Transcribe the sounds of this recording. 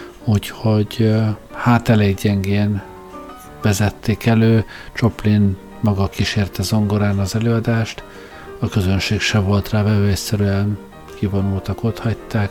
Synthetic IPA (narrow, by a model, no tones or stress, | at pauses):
uːcho̞ɟhaːt̪ɛlɛjɟɛŋɡeːn | vɛzɛt̪ːeːkɛløː | t͡ʃo̞plin | mɒɡɒkiʃeːrt̪ɛzo̞ŋɡoɾaːnɒzɛløːɒd̪aːʃt̪ | ɒkøzønʃeːkʃɛvo̞lt̪raːvɛvøɛsɛɾyɛn | kivo̞nult̪ɒko̞t̪hɒct̪ːaːk